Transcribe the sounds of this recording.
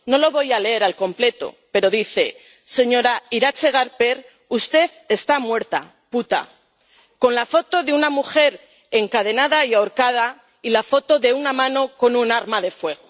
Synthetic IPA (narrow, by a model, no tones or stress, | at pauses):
no̞lo̞βo̞jale̞eɾalko̞mple̞t̪o̞̰ | pe̞ɾo̞ðiθe̞ | se̞ɲo̞ɾaiɾat͡ʃe̞ɣ̞aɾpe̞ɾ | ust̪e̞ðe̞st̪amwe̞ɾt̪a̰ | put̪a̰ | ko̞nlafo̞t̪o̞ðeunamuxe̞ɾ | e̞ŋkað̞e̞naðaiaoɾkað̞a | ilafo̞t̪o̞ðe̞unamãno̞ko̞nunaɾmaðe̞fwe̞ɣ̞o̞